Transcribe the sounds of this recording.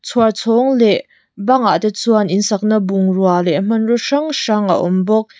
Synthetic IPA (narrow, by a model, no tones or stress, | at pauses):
t͡sʰuart͡sʰɔŋlɛʔ | bɐŋat̪ɛt͡suanʔinsɐk̚nɐbuŋrualɛʔm̥ɐnrɔʂɐŋʂɐŋʔa̰ʔɔ̰mbɔk̚